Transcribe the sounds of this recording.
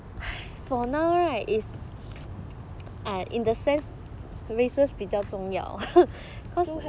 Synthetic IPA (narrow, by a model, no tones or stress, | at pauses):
a | fɔnaʊɹaɪtif | ãʔḭ̃ndəsɛ̃ns | ɹesəsbid͡ʒatɔ̃ŋja̰ʊ | kʰɔs